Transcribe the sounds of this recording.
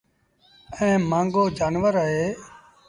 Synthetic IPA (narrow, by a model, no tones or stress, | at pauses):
ɛ̃ːmãːŋɡoːd͡ʒaːnʋəɾaːɦeː